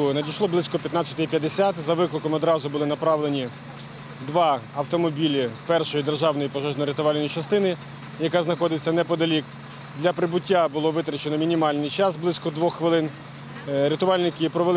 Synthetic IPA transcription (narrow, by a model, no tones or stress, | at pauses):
nɐdʲijʃlˠɔblˠɪsʲkɔpʲjɐt̪nɑt͡sʲɐ̥t̪ɪipʲjɐd̪ːesʲat̪zɐʋɪklˠɪkɔmɔd̪ɾɑzʊbʊlˠɪnɐpɾɑʋlˠenʲi | d̪ʋɑɐwt̪ɔmɔbʲilʲipɛrʃɔjid̪erʒɑwnɔjipɔʒɛʒnɔɾet̪ʊʋɑlʲnɔjit͡ʃɐst̪ɪnɪ | jɐkaznɐxɔd̪ɪt͡sʲːɐnɛpɔd̪ɐlʲik | d̪lʲɐpɾɪbʊtʲːabʊlˠɔʋɪt̪ɾɐt͡ʃenɔmʲinʲimɑlʲnɪjt͡ʃɑsblˠɪsʲkɔd̪ʋɔxxʋɪlˠɪn | ɾʲet̪ʊʋɑlʲnɪkɪpɾɔʋel